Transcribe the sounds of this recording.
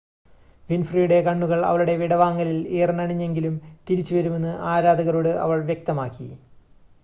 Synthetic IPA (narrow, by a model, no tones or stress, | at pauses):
ʋinfrijuɽe̞kɐɳːuɣɐɭɐ̰ʋɐɭuɽe̞ʋiɽɐʋaːŋːɐlileːrnɐɳiɲːe̞ŋɡilumt̪iɾit͡ɕːuʋɐɾume̞nːɨʔaːɾaːd̪ɐɣɐɾoːɽɨʔɐ̰ʋɐɭʋjek̚t̪ɐmaːkːḭ